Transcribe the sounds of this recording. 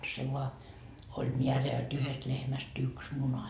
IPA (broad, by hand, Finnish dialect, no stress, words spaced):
se ʋoɑ olʲ miæræ jot yhest lehmæst yks munɑ